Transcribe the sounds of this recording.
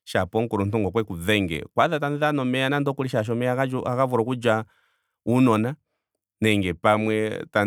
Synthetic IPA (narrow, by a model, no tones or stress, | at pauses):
ʃapɔŋkuɾun̩tuŋɡɔkwɛkuðɛŋɡɛ̰kwaðataniðanɔmɛanandɔkuliʃaʃ̬ɔmɛakaakavuɾɔkud͡ʒwa | unɔna | nɛŋɡɛpamwɛta